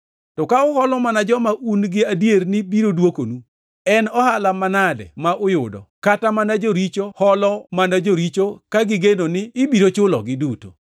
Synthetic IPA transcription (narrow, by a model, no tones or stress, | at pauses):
tɔkaʊhɔlɔmanad͡ʒɔmaʔunɡɪadjernɪbiɾodwokonu | ɛnɔhalamanadɛ̰maʔʊjʊdɔ̰katamanad͡ʒoɾit͡ʃohɔlɔmanad͡ʒoɾit͡ʃokaɡɪɡenonɪːbiɾot͡ʃʊlɔ̰ɡɪduto̰